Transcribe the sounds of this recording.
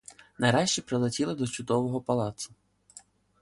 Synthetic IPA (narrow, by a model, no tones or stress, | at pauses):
nɐjɾɑʃt͡ʃipɾɪlˠetʲilˠɪd̪ɔt͡ʃʊd̪ɔʋɔɦɔpɐlˠɑt̪sʊ̥